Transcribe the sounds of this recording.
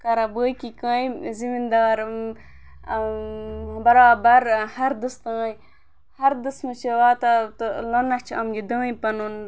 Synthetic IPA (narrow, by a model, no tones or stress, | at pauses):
kɐɾɐbəːjkikãːjzimind̪aːɾm | bɐɾaːbɐɾhɐɾd̪ɨst̪ãːj | hɐɾd̪ɨsmɨt͡ʃʰeʋaːt̪at̪ɨlɐnɐt͡ʃʰɐmɡid̪ãːĩpɐnun